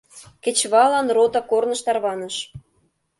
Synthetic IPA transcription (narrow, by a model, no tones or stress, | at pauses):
kĕt͡ɕβɑlɑnrot̪ɑkornɤ̆ʃt̪ɑrβɑnə̆ʃ